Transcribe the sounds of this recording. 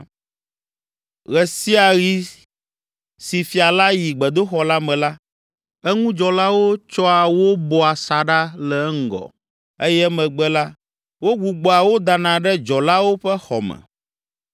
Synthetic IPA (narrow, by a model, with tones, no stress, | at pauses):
ɣɛ˨si˦a˨ɣi˨ | si˨fi˨a˨la˦ji˨ɡ͡bɛ˨d̪o˦xɔ˨la˦mɛ̃˨la˦ | ɛ˦ŋũ˦d͡ʒɔ˨la˦wo˦t͡ʃɔ˦a˨wo˦bɔ˨a˨sa˨ɖa˦lɛ˨˦ŋ̩˦ɡɔ̰˨ | e˦jɛ˦mɛ̃˨ɡ͡bɛ˦la˦ | wo˦ɡu˨ɡ͡bɔ˨a˨wo˦d̪a˨nã˨ɖɛ˦d͡ʒɔ˨la˦wo˦ɸɛ˦xɔ̰˨mɛ̰̃˨